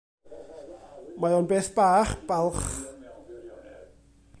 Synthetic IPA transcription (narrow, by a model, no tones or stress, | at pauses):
majɔnbeːθb̥aːχb̥alˠχ